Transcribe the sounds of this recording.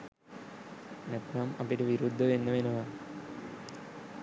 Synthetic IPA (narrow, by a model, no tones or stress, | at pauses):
næt̪namɐ̰piʈəʋiɾud̪ʱːəʋenːəʋenəʋa